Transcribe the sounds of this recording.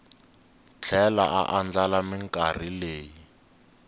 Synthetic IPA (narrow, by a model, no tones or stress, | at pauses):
t͡ɬʰɛla̰ʔa̰ʔand͡ɮalamɪŋkʼar̤ileːji